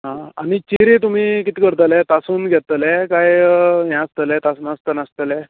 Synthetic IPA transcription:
ɦãanit͡ɕiɾet̪̬um̤iːkit̪iːkəɾt̪əlɛt̪asuːnɡʱɛt̪əlɛkajɦjãst̪əlɛt̪asnast̪ənast̪əlɛ

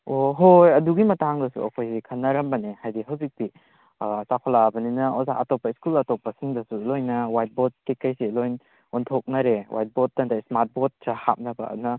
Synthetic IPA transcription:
oɦojɐduɡimɐtaŋdɐsṵɐ̰kʰojsikʰɐnːɐɾɐmbɐnehajdiɦɐwzik̚ti | sakʰɔlabɐninɐozaʔɐtɔpɐiskulɐtopːɐsiŋdɐsulojnɐwajt̚bot̚kekːɐjsilojn | untʰok̚nɐɾewʔa̰jt̚bot̚dɐndajsmaɾt̚bot̚saha̰p̚nɐbɐ̰ːdunɐ

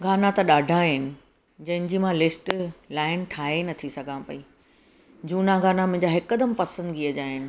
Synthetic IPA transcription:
ɡʱaːnat̪ɐɗaːɖʱaɦɪnɪ̆ | d͡ʑɐ̃ɦɪ̃d͡ʑiːmãlɪsʈlaːɪnʈʰaːɦenɐt̪ʰisɐɡʱãpɐi | d͡ʑuːnãɡaːnamʊ̃ɦɪ̃ɲd͡ʑaɦɪkːəd̪əmpɐsə̃nd̪ɡiəd͡ʑaːɦɪnɪ̆

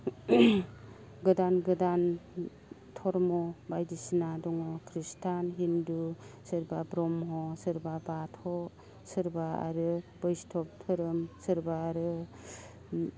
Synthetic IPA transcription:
ɡɯdanɡɯdan | tʰɔɾmɔbajdisinadɔŋɔkʰɾistʰanɦindusɯɾbabɾɔmɦɔsɯɾbabatʰhɔ | sɯɾbaa̰ɾɯb̥ɯjstʰɔp̚tʰɯɾɯmsɯɾbaːɾɯ

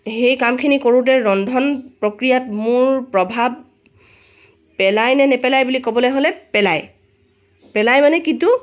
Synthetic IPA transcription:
hejkamkʰinikoɹut̬ɛɹɔndʱɔnpɹokɹijatmʊɹpɹɔbʱab̚ | ɛlajnɛnɛpɛlajbulikobɔlojɦolɛpɛlaj | pɛlajmanɛkintu

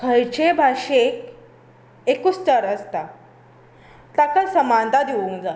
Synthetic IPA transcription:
kʰəjt͡ɕebʱaʂek | ekust͡ɕəɾəst̪a | t̪akasəmant̪ad̪eʋũŋkd͡za

